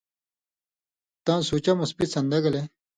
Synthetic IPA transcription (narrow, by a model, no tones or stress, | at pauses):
t̪ãːsuːt͡ɕɐmɐspit̪sɐnd̪ɐɡɐle